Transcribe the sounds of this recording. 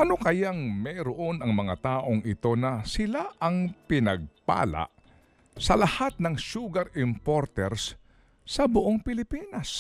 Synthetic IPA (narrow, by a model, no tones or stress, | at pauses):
ʔɐnokɐjaŋmɛɾoʔo̞nɐŋmɐŋat̪aːʔo̞ŋɪt̪o̞nɐsɪlaʔɐŋpɪnɐɡ̚pa̰ːla̰ʔ | sɐlɐhat̪̚nɐŋʃuːɡɐɾɪmpoɾt̪ɛɾs | sɐbʊʔoŋpɪlɪpiːnɐs